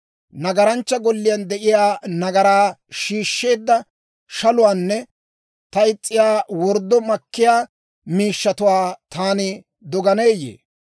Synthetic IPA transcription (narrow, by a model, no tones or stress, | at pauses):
nɐɡɐɾɐnt͡ʃːɐɡɔlːɪjɐnd̪ɛʔɪjaːnɐɡɐɾaːʃiːʃːe̞ːd̪ːɐ | ʃɐlʊwaːnːɛ | t̪ɐɪt͡sʼːɪjaːwɔɾd̪ːɔmɐkːɪjaː | miːʃːɐt̪ʊwaːt̪aːnɪ | d̪ɔɡɐneːjḛː